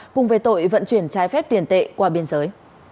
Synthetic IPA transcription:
kʊ˨˧˩ŋ͡mvəː˨˦jt̪o̰˧˨jvə̰˧˨nt͡ɕwi˧˩ənt͡ɕaː˨˦jfɛ˦˥p̚t̪i˧˩ənt̪ḛ˧˨kwaː˧˩ɓi˧ənzəː˨˦j

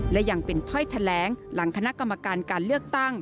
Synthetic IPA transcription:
lɛ˦˥ʔjaː˨˩ŋpe˨˧nt̪ʰɔ˥˩jt̪ʰa˧lɛː˩˨˦ŋla˩˦ŋkʰa˧na˦˥ka˧mːa˧kaː˧nkaː˧nlɯ˥˩ək̚t̪a˥˩ŋ

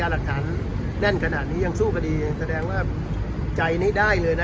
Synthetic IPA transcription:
aː˧la˨˩k̚t̪ʰa˩˦n | lɛ˥˩nkʰa˧naː˨˩t̪̚niː˦˥ja˧ŋsuː˥˩kʰa˧diː˧sa˧dɛː˧ŋwaː˥˩ | t͡ɕa˧jniː˥˩daː˥˩jlɤː˧jna˦

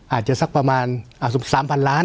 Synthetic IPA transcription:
ʔaː˨˩t̪̚t͡ɕa˧sa˦˥k̚paː˧maː˧nʔaː˧˩su˨˧˦saː˨˦mpʰa˧nlaː˦˥n

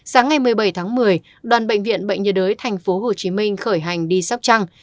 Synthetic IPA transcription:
saː˨˦ŋːa˨˩jmɨ˨˩əjɓə˧˩jt̪ʰaː˨˦ŋmɨ˨˩əj | ɗwaː˨˩nɓə̰˧˨jŋ̟vḭ˧˨ənɓə̰˧˨ŋ̟ɲə˨˩ɗəː˨˦jt̪ʰa˨˩jŋ̟fo˨˦ɦo˨˩t͡ɕi˨˦mï˧ŋ̟xəː˧˩jɦa˨˩jŋ̟ɗi˧sa˦˥p̚t͡ɕa˧ŋ

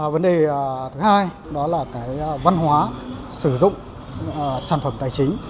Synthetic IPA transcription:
və˨˦nɗe˨˩t̪ʰɨ˨˦haː˧j | ɗɔ˨˦laː˨˩kaː˨˦jva˧nɦwaː˨˦ | sɨ˧˩zʊ̰˧˨ŋ͡m | saː˧˩nfə˧˩mt̪aː˧˩jt͡ɕï˨˦ŋ̟

